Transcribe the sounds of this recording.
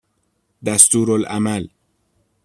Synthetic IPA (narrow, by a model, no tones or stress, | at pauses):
d̪æst̪uːɾolʔæmæl